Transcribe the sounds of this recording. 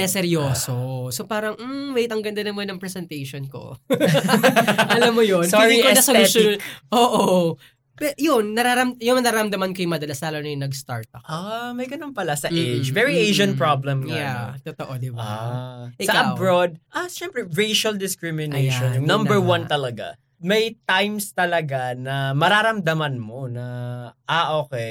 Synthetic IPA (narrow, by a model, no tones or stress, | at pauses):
ɛsɛɾjoːsosopaːɾɐŋm̩wejt̪ɐŋɡɐnd̪ɐnɐmɐnɐŋpɾɛsɛnt̪ejʃonko̰ | ʔɐlɐmːojonsɪd̪ikoɐsɐsʔoːʔoo | pɛjʊnːɐɾaɾɐmjʊŋɐɾaːɾɐɾɐmd̪ɐmɐnkojʊŋmɐd̪ɐlasaːlɐnɐjʊnɐɡst̪a̰ɹt̪̚ɐʔamɐjɡɐnonpɐlasɐʔʔejd͡ʒvɛɹiʔejʒɐ̃npɹablɛmkjat̪ot̪oʔod̪ɪbaʔɪsɐɐbɹod̪̚ʔaʃɛmpɾɛɹejʃɐld̪ɪskɹɪmɪnejʃɔnjʊŋnɐ̃mbɛɹwɐnt̪ɐlɐɡa̰ | mɐjt̪ajmst̪ɐlɐɡanɐmɐɾaːɾɐmd̪ɐmɐnmo̞nɐʔaʔoːkɛ